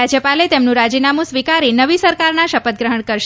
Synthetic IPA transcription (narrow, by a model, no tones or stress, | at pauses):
ad͡ʒjəpalet̪emnũɾad͡ʒinamũsʋikaɾinəʋisəɾkaɾnaʃəpət̪̚ɡɾəɦəɳkəɾʃ